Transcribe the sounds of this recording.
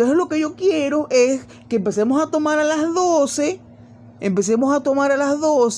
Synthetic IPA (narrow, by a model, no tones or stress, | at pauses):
oselo̞ke̞ʝo̞kjeɾo̞ʔes | ke̞ːmpe̞semosat̪o̞maɾalazðose̞ | empe̞s̬emosat̪o̞maɾalazðos